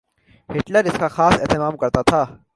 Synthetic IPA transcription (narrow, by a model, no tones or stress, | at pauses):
hɪʈləɾɪskaxaːsɛɦt̪ɪmaːmkɐɾt̪at̪ʰaː